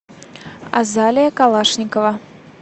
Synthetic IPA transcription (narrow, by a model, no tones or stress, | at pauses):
a̰zalʲɪjɐkalˠaʂnʲɪkəvɐ